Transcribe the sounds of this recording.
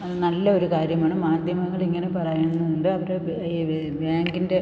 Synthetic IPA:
nɐlːɐo̞ɾukaːɾjɐmaːɳɨmaːd̪ʱjɐmɐŋːɐɭiŋːɐne̞pɐrɐjunːɐðuɳɖɨɐʋɐɾe | i | baːŋɡinde̞

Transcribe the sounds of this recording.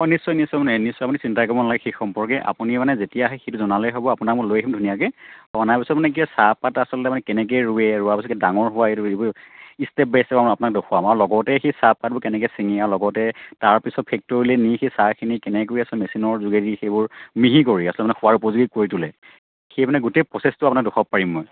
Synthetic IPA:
ɔjnisːɔjnisːɔjmanɛnisːɔjapunisintajkɔɹbɔnalaɡɛxexɔmpɔɹkɛʔa̰punimanɛzetijaɦɛxejtuzɔnalɛjɦobɔapʊnak̚mʊɹlojkʰimdʱunijakɛɔanajpisɔtmanɛk̬iɔsap̚patasɔlɔtɛmanɛkɛnɛk̬ɛjɹuɛɹuapisɔtkdaŋɔɹɦʊwaetuebɔistɛp̚bɛsɛbamapʊnak̚doxʰamaɹlɔɡɔtɛxesap̚kat̚bʊɹkɛnɛkɛjsiŋiaɹlɔɡɔtɛtaɹpisɔt̚pʰɛk̚tɔɹilɛnixejsakʰinikɛnɛkoɹiasɔlɛmesinɔɹzuɡedixejbʊɹmiɦikoɹiasɔlɔtɛmanɛxʊwaɹupɔzuɡikoɹitulɛ | xejmanɛɡutejpɹɔsestʊapunak̚doxʰɔp̚paɹimːɔj

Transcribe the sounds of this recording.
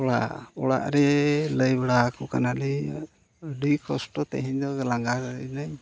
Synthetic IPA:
ɔɽaʔɔɽa̰ʔɾɛləjbɛɽakɔkanalɛ | ɖikɔsʈɔt̪ɛ̰ɦiɲd̪ɔɡlaŋɡaɾɛd̪əjnaj

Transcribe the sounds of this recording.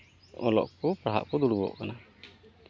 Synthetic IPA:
ɔlɔ̰ʔkɔpɾaɦa̰ʔkɔd̪uɽbɔ̰ʔkana

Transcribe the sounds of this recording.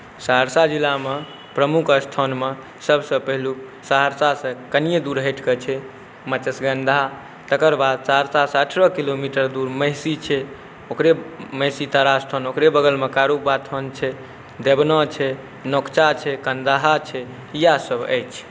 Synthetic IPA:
saɦəɾsad͡ʒilːame | pɾəmukəst̪ʰɔnme | səbʱsə̃pəɦlusaɦəɾsasə̃kənijed̪uɾɦəʈkət͡ʃʰɛ | mət͡ʃəsɡə̃nd̪ʱa | t̪əkəɾbad̪̚t͡ʃaɾsasəʈʰɾɔkilomiʈəɾd̪uɾməɦsit͡ʃʰɛ | okɾeməɦsit̪aɾast̪ʰɔnokɾebəɡəlmekaɾubat̪ʰɔnt͡ʃʰɛ | d̪ebnɔt͡ʃʰɛ | nokt͡ʃat͡ʃʰɛkənd̪aɦat͡ʃʰɛ | ijasəbə̰jt͡ʃʰ

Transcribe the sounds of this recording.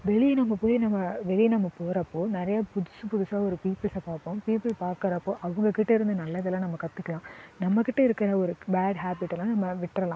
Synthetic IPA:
ʋɛɭinɐmːɐpoːjinɐmːɐʋɛɭinɐmːɐpoːɾɐpːoːnɪɾɐjaːpʊðʊsɯ̃pʊðʊsaːɔɾɯpiːpːɪlsɐbaːpʊ̃piːpɪlpaːɾkɐɾɐpːoːʔɐʋɐŋɡɐkɪʈːɐɪɾɯnd̪ɐnɐlːɐðɐlãːnɐmːɐkɐt̪ːɯkːɐɭãːnɐmːɐkːɪʈːɐɪɾɯkːɐɾɐɔɾɯbaːɖɦaːbɪʈːlãːnɐmːɐʋɪʈːɾɐlãː

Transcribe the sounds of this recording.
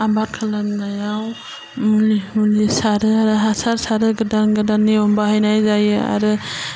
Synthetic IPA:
abaɾ̚kʰalamnajaw | mulimulisaɾɯaɾɯɦasaɾsaɾɯɡɯdanɡɯdanewɔmbahajnajzaja̰ɾɯ

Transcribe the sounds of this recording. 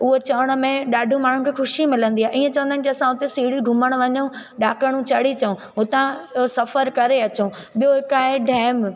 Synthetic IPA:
ʊɦot͡ɕɐʋəɽ̃̆mẽɗaːɖʱũmaːɳ̤̃ũnkʰeːxʊʃimɪlə̃nd̪iaɦeʔiːẽt͡ɕɐʋə̃nd̪aɪnɪkiɐsãʊt̪esiːɽiɡʱʊməɽ̃ʊʋɐɲəũɗaːkəɽ̃ũt͡ɕɐɽ̤it͡ɕɐũɦʊt̪ãosɐfəɾkɐɾeɐt͡ɕõɓijoɦɪkaːeɖʱɛːm

